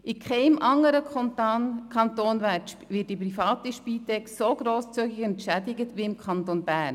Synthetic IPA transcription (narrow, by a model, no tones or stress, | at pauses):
ʔɪkʰχɛɪmʔɑŋːəɾəkʰɔnt̪ɑnkʰɑntoːnʋætʃpʋɪt̚d̥ip̬ɾifɑːt̪iʃpiːtɛksoɡ̥ɾoːst͡syɡɪçɛntʃædɪɡətʋiɪmkʰχɑnt̪onbæːɾn